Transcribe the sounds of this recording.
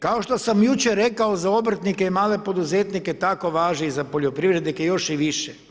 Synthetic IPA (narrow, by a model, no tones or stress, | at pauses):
kao̞ʃt̪osamjut͡ʃeɾe̞kaozao̞bɾt̪nikeimaːle̞po̞d̪uzeːt̪niket̪ako̞ʋaːʒniizapoʎʲopɾiʋɾed̪nikejo̞ʃiʋiʃe